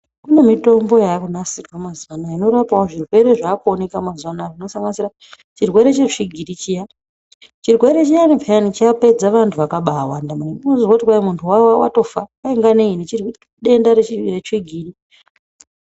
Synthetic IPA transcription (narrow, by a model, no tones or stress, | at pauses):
kunemito̞mbo̞jakunasikwamazwanaino̞ɾapaoʐirwe̞ɾe̞ʐakuone̞kamazwanaʐino̞saŋɡanisiɾa | t͡ʃirwe̞ɾe̞t͡ʃeʂiɡʱiɾit͡ʃija | t͡ʃirwe̞ɾe̞t͡ʃijanipʰaanit͡ʃape̞d͡zaʋantʰuʋakaɓawandamuniunozoautikwaimuntʰuwawawa̰to̞faaiŋɡaneinit͡ʃir | ɗe̞ndaɾeireʂiɡʱiːɾi